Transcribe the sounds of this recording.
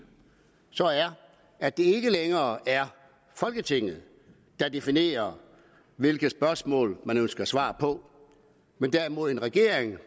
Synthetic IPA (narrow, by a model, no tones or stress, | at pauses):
sɒ̽æɐ | æd̥e̝e̝ɡ̥əleŋɐːæɐ | fɒ̽lɡ̥ət͡sʰe̝ŋ̰ð̩ˠ | d̥ɑ̈d̥e̝fine̝̰ːɐ | ʋe̝lɡ̥ð̩ˠsb̥ɶɐsmɔ̰̽ːlmænønsɡ̥ɐæsʋɑ̰̈ːpʰɒ̽ | mend̥æɐimo̝ð̞ˠe̝nʁɛɡ̥e̝̰ɐ̰eŋ